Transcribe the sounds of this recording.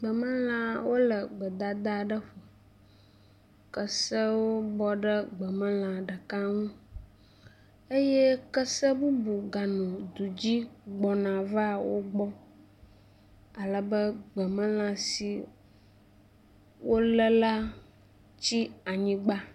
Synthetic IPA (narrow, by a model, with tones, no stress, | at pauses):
ɡ͡bə˨mə̃˦l̃ã˨wo˦lə˨ɡ͡bə˨d̪a˨d̪a˦ɖə˦ɸo˨ | kə˦sə˦wo˦bɔ˦ɖə˦ɡ͡bə˨mə̃˦l̃ã˨ɖə˨ka˦ŋũ˦ | e˦je˦kə˦sə˦bu˦bu˨ɡa˨nɔ̃˨d̪u˨d͡ʑi˦ɡ͡bɔ˨nã˨va˦˨wo˦ɡ͡bɔ˦ | a˨lə˨bə˦ɡ͡bə˨mə̃˦l̃ã˨si˨ | wo˦lə˦la˦ | t͡ɕi˦a˨ɲĩ˦ɡ͡ba˦